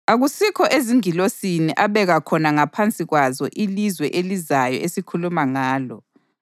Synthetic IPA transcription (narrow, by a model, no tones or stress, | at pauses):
aɣusikʰɔʔeziŋilosiniʔaβɛɣakʰɔnaŋapʰant͡sʼiɣwazɔ̰ʔilizwɛʔelizajɔ̰esikʰulumaŋaːlɔ